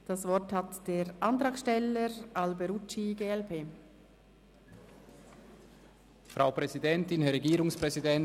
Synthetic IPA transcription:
d̥asvɔɾthatd̥eːɾʔɑnt̪ʁɑːkʃtɛləɾalbəɾut͡ʃiɡeːɛlpʰeː | fʁʔaʊpʁɛzidɛntɪnhɛɐɾeɡiːɾʊŋspʁ̥ɛzidɛn

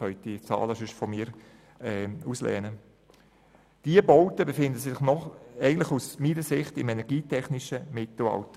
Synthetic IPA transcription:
œʏt̚d̥it͡sɑ̰ːləsʏʃfɔmiːɾ | ɛuslɛ̰ːnə | d̥iəboʊtəbefɪndəsɪχnɔχɛɡən̩tlɪχusmiːnəsɪχtɪmɛnɛɾɡiːtʰɛχnɪʃəmɪtl̩ɑ̰ltə

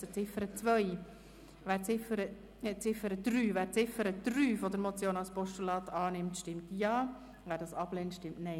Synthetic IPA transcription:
sət͡sɪfəɾət͡sʋœj | væːt͡sɪfəɾə | t͡sɪfəɾəd̪̥ryːvæːɾt͡sɪfəɾəd̪̥ryːfɔdəɾmot͡sjoːnɑlspɔʃtulɑːt̪ɑːnɪmtʃtɪmtjɑː | væːɾdɑsɑb̥lɛːntʃtɪmtnɛɪ

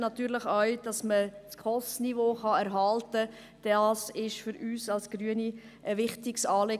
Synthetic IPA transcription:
nɑt̪yːɾləχœɥd̥ɑsməskʰɔstnivoːχɑɛɾɦɑltə | d̥ɑsɪʃfʏɾyːsɑlsɡ̥ɾyəni | ʔəʋɪχtɪksɑːle

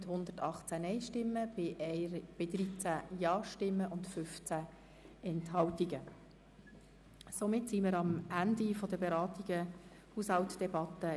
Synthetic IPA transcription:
thʊnd̪ətɑχt͡sænɛjʃtɪmːəbɪb̥ɪd̪ɾit͡sæjɑːʃtɪmːəʔʊntfʏft͡sæ | ɛnthɑwtiɡə | somɪtsiməɾɑmændifɔd̥əbeɾɑːtiɡ̥ə | huːshɑwtd̥ɛbɑtə

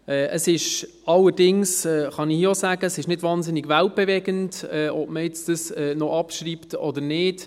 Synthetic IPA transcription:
ɛʔəsɪʃ | ɑlːəɾdɪŋsɛːχɑnɪxjosæːɡəəsɪʃnɪdvɑːnsɪnɪɡvælt̚b̥ɛvɛɡəntɛʔɔb̥məjɛt͡sdəsɛnɔʔɑpʃɾiːptɔdənɪːd

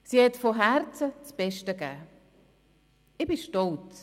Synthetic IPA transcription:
sihɛtfoɦæɾt͡sət͡sb̥ɛʃtəɡæː | ɪbiʃtɔlt͡s

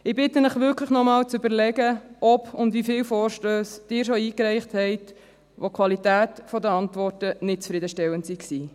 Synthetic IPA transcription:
ɪbɪtənəχʋʏɾkʰləχnɔmɑːlt͡sʉbəɾlɛɡəʔɔpʊndvifɪːwfɔːɾʃtøːsd̥ɪːɾʃoiːkɾɛɪχthɛɪt | ʋokʰʋɑlitæːtfɔd̪əɑntvɔɾtənɪt̚t͡sfɾid̪əʃtɛwəntsiksiː

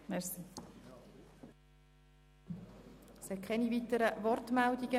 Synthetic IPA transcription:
mɛsi | shɛt̚kʰɛnivit̪əɾəvɔrtmældiɡ̥ə

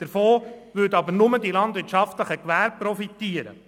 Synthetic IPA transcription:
d̥əɾfoːʋʉdɑbənʊmədilɑnd̪ʋɪtt͡ʃɑftləχəkʋæːɾpːɾɔfit̪iːəɾə̰

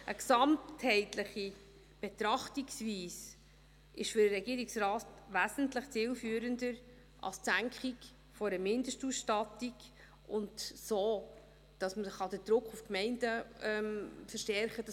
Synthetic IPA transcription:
ʔəksɑmthɛɪtləχi | b̥et̪ɾɑχtiksviːs | ʔɪʃfʏɾəɾɛɡiːɾiksɾɑːtʋæzn̩tləχt͡siːlfyːəɾəndəɾ | ʔɑ̰lst͡sæŋkχiɡ | fɔɾəmɪndəʃtusʃtɑtiɡ | ʊntsoː | d̥ɑsməχɑdəd̥ɾʊkχufkmɛɪndəɛmfəɾʃtɛɾχəd̥ɑ

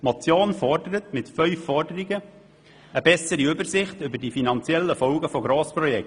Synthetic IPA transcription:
mot͡sjoːnfɔrdəɾət̪mɪtfœʏfːɔrdəɾiɡə | əbɛsəɾiʏbəɾsɪχtʏbədifinɑnt͡sjɛlːəfɔlɡəfoɡɾoːspɾɔjɛk

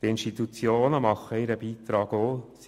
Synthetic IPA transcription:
t̪ɪnʃtit̪ut͡sjoːnəmɑχːəɪɾəbiːt̪ɾɑːɡos

